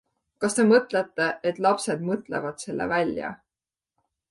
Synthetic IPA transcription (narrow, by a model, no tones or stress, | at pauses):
kɑst̪e̞mɤt̪ˑle̞t̪ːe̞ʔet̪ːˑlɑpse̞d̪mɤt̪ˑle̞̰vɑd̪̥se̞lːḛvælʲjɑ̰